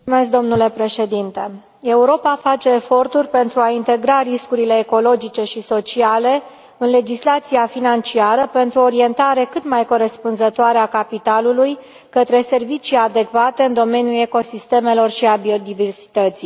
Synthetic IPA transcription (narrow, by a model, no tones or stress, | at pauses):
umesk̚d̪o̞mnule̞pɾe̞ʃe̞d̪int̪e̞ | e̞uɾo̞pafat͡ʃe̞ːfo̞rt̪urʲpe̞nt̪ɾuaint̪e̞ɡɾaɾiskuɾile̞ːko̞lo̞d͡ʒit͡ʃe̞ʃiso̞t͡ʃiale̞ | ɨnle̞d͡ʒislat̪siafinant͡ʃiaɾəpe̞nt̪ɾuoɾie̞nt̪aɾe̞kɨt̪majko̞ɾe̞spunzət̪oaɾeakapit̪aluluj | kət̪ɾe̞se̞rvit͡ʃijad̪e̞kvat̪e̞ɨnd̪o̞me̞njule̞ko̞sist̪e̞me̞lo̞rʃiabio̞d̪iversi̥t̪ət̪si